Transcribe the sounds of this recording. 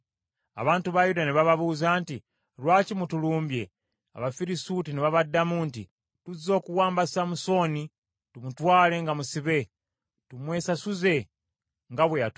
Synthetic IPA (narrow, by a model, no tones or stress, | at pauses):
a̰βaːntuβajudaniβaβaβuːzaːnti | ɾwaːcimutuluːmbje̞ | a̰βafiɾisutiniβaβadamuːntḭ | tuzo̞ːkuwaːmbassamuso̞ni | tumutwaːle̞ŋɡamusiβe̞ | tumwe̞ːsasuze̞ | ŋɡaβwejat